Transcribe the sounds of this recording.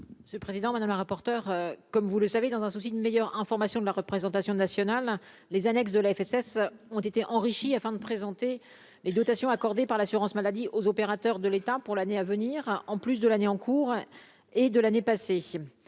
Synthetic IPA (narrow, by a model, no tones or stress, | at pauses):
sɛlpχezid̪ɑ̃mad̪amləʁapɔʁt̪œʁøkɔmvuləsaved̪ɑ̃zɛ̃susid̪ynmejœʁɛ̃fɔʁmasjɔ̃d̪əlaʁəpχezɑ̃t̪asjɔ̃nasjɔnalː | ezanɛksd̪əlaɛfɛsɛsɔ̃t̪et̪eʔɑ̃ʁiʃiafɛ̃d̪əpχezɑ̃t̪e | led̪ɔt̪asjɔ̃akɔʁd̪epaʁlasyʁɑ̃smalad̪iʔozɔpeʁat̪œʁd̪əlet̪apuʁlaneavəniʁɑ̃plys̬d̪əlaneɑ̃kʰuʁ | ed̪əlanepase